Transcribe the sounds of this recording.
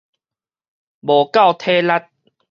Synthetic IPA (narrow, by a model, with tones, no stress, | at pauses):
bo˨˩ka˥˨wt̪ʰe˦la˦˥t̪̚